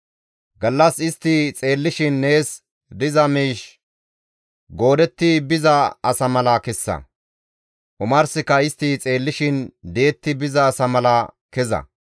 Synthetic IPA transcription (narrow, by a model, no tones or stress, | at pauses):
ɡɐlːɐsɪst̪ːit͡sʼe̞ːlːɪʃɪnːe̞ːs | d̪ɪzɐmiːʃ | ɡo̞ːd̪ɛt̪ːibɪzɐɐsɐmɐlɐkɛsːɐ̰ | ʔʊmɐɾsɪkɐɪst̪ːiːt͡sʼe̞ːlːɪʃɪnd̪ejːt̪ːɪbɪzɐːsɐmɐlɐkɛzɐ̰